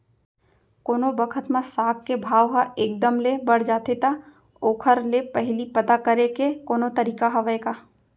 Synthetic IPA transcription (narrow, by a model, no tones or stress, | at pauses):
koːnobɐkʰət̪mãsaːkkːebʱaːʋɦaʔeːk̚d̪əmlebɐɽ̤d͡ʒaːt̪et̪a | oːkʰəɾlepɐɦlipɐt̪akəɾekekoːnot̪ɐɾiːkaɦɐʋəeka